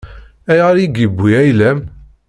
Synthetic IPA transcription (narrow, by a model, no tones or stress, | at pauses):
æjɑɾiɡibːujæjlæm